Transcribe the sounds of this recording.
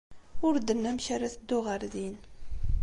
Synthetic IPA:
ʊɾd̪ənːæmçaɾæθd̪ːʊʁəɾðin

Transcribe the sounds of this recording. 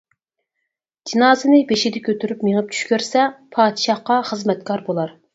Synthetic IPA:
d͡ʒinɑːzɨnɪbeʃɪd̪ɪkʲʰøt̪ʰyɾypmeŋəp̚t͡ʃʰy̥ʃkʲøɾsɛpʰɑːd̪ʃɑhqɑχəzmɛt̪̚kʰɑɾbolˠɑɾ

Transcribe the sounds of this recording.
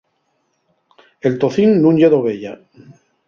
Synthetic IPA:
elt̪oθinːũŋʎeðoβeʎa

